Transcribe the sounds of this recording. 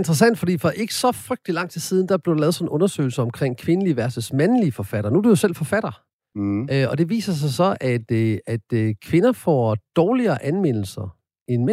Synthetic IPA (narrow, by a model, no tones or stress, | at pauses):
end̥ʁɐsæn̰d̥fɒ̽d̥ḭːfɒʔe̝ɡ̥ə̥sɒ̽fʁœɡ̥̚d̥lilɑ̈ŋ̰t͡sʰisiːð̞ˠn̩d̥æb̥le̝dlɛːðˠsɒ̽n̩ʔɔ̽nɐsø̰ːɪl̩səɒ̽mkʰʁeŋ̰kʰʋe̝nəliəʋæɐsəsmænliəfɒ̽fæɾ̥ɐnuæd̥ujo̝sel̰fɒ̽fæɾ̥ɐ | ɒ̽d̥e̝ʋḭːsɐs̬ɑ̈ɪsɒ̽ʔæd̥æd̥kʰʋe̝nɐfɒ̰d̥ɒːliɐːʔænmen̰l̩sɐ | e̝nme